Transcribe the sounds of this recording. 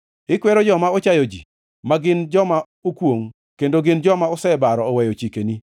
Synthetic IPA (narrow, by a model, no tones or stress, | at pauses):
ɪkwɛɾɔd͡ʒɔmaot͡ʃajɔd͡ʒḭ | maɡɪnd͡ʒɔma | okwoŋ | kendoɡɪnd͡ʒɔmaɔsɛbaɾɔːwɛjɔt͡ʃikeni